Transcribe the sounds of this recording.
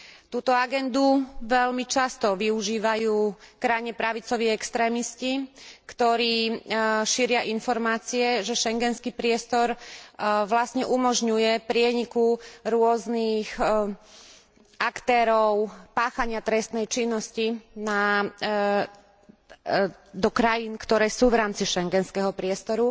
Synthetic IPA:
t̪uːt̪ɔaɡɛnd̪uʋɛʎmit͡ʃast̪ɔʋiuʒiːʋajuːkɾajɲɛpɾaʋit͡sɔʋiːɛkst̪ɾɛːmiscikt̪ɔɾiːʃiɾɪaʔinfɔɾmaːt͡siɛʒɛʃɛŋɡɛnskipɾɪɛst̪ɔɾ | ʋlasɲɛʔumɔʒɲujɛpɾɪɛɲikuɾʊɔznix | akt̪ɛːɾɔʊpaːxaɲɪat̪ɾɛst̪nɛjt͡ʃinːɔscina | d̪ɔkɾajinkt̪ɔɾɛːsuːʋɾaːmt͡siʃɛŋɡɛnskɛɦɔpɾɪɛst̪ɔɾu

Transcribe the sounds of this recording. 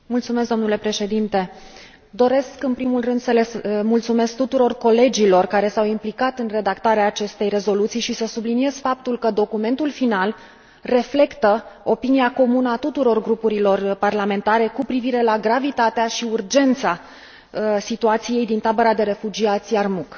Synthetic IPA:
mult̪sume̞s̬d̪o̞mnule̞pɾe̞ʃe̞d̪int̪e̞ | d̪o̞ɾe̞skɨnpɾimulrɨnd̪səlemult̪sume̞sk̚t̪ut̪uɾo̞rko̞le̞d͡ʒilo̞rkaɾe̞sawimplikat̪ɨnre̞d̪akt̪aɾeaːt͡ʃe̞st̪e̞jre̞zo̞lut̪sijʃisəsublinie̞z̥fap̚t̪ulkəd̪o̞kume̞nt̪ulfinal | re̞fle̞kt̪əo̞piniako̞munəat̪ut̪uɾo̞rɡɾupuɾilo̞rparlame̞nt̪aɾe̞kupɾiviɾe̞laɡɾavit̪at̪eaʃiurd͡ʒe̞nt̪sa | sit̪uat̪sije̞jd̪int̪abəɾad̪e̞ɾe̞fud͡ʒiat̪sʲjarmuk

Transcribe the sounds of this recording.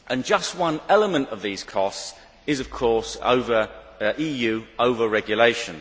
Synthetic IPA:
ʔə̃nd͡ʒʌst̚wʌ̃nɛləmə̃ntəvðiːz̥kʰɒsts | ɪzəv̥kʰɔˑso̰ʊvə˞ | ʔiːjʉːəʊvəɹɛɡjəleɪʃə̃n

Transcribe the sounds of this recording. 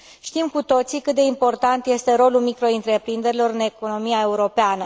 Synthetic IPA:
ʃt̪imkut̪o̞t̪sikɨt̪̚d̪e̞impo̞rt̪ant̪je̞st̪e̞ɾo̞lulmikɾo̞ɨnt̪ɾe̞pɾind̪e̞ɾilo̞ɾɨne̞ko̞no̞miae̞uɾo̞peanə

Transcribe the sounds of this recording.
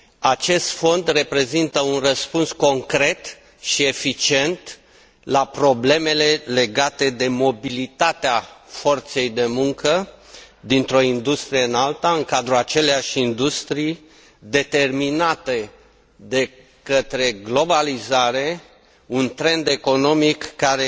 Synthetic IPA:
at͡ʃe̞st̪fo̞nd̪re̞pɾe̞zint̪əunrəspunsko̞ŋkɾe̞t̪ | ʃie̞fit͡ʃie̞nt̪ | lapɾo̞ble̞me̞le̞le̞ɡat̪e̞d̪e̞mo̞bilit̪at̪eafo̞rt̪se̞jd̪e̞muŋkəd̪int̪ɾo̞ind̪ust̪ɾijeɨnalt̪aɨŋkad̪ɾuat͡ʃe̞leaʃʲind̪ust̪ɾij | d̪e̞t̪e̞rminat̪e̞ | d̪e̞ | kət̪ɾe̞ɡlo̞balizaɾe̞ | unt̪ɾe̞nd̪e̞ko̞no̞mikːaɾe̞

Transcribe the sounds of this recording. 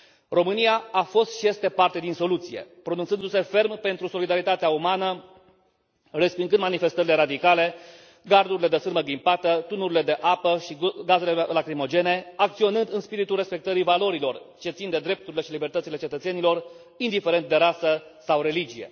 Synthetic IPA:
ro̞mɨnijaafo̞st̪ʃije̞st̪e̞part̪e̞d̪inso̞lut̪sije̞̰pɾonunt̪sɨnd̪use̞fe̞rmpe̞nt̪ɾuso̞lid̪aɾit̪at̪eaumanə | respiŋɡɨnd̪manife̞st̪əɾile̞ɾad̪ikale̞ | ɡard̪uɾile̞d̪esɨrməɡlimpat̪ət̪unuɾile̞d̪e̞ʔapəʃiɡaze̞le̞lakɾimo̞d͡ʒe̞ne̞akt̪sio̞nɨnd̪ɨnspiɾit̪ulre̞spe̞k̚t̪əɾivalo̞ɾilo̞rt͡ʃe̞t̪sind̪e̞d̪ɾe̞p̚t̪uɾile̞ʃilibert̪ət̪sile̞t͡ʃe̞t̪ət̪senilo̞r | ind̪ife̞ɾe̞nt̪̚d̪e̞ɾasəsawɾe̞lid͡ʒije̞̰

